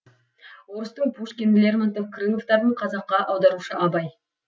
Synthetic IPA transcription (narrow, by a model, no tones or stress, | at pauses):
woɾəst̪əɴpʰuʂkʲenlʲeɾmant̪ofkrɨmo̞ft̪ɑɾəɴqʰɑzɑqːɑʔɑwd̪ɑɾuʃəʔɑbɑj